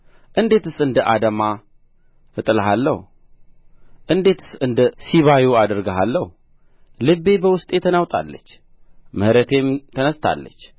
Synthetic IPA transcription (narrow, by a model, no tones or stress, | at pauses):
ʔɨnd̪e̞t̪ɨsɨnd̪əʔad̪əma | ɨt̪ʼɨlɦalːəh | ʔɨnd̪e̞t̪ʰɨ̥sɨnd̪əsiβajuad̪əɾɡəɦalːəhu | lɨbe̞bəwʊst̪ʼet̪ʰənawt̪ʼa̰lːət͡ʃː | məhɾət̪ʰe̞mt̪ʰənəst̪ʰa̰lːə̰t͡ʃː